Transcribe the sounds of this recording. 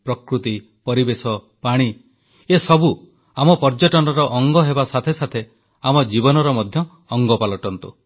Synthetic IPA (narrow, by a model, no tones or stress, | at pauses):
pɾɔkɾut̪i | pɔɾibesɔ | paɽ̃i | esɔbu | amɔpɔɾd͡ʒɔʈɔnɔɾɔʔɔŋɡɔɦebasat̪ʰesat̪ʰe | amɔd͡ʒibɔnɔɾɔmɔd̪ʱjɔː | ŋɡɔpalɔʈɔnt̪ṵ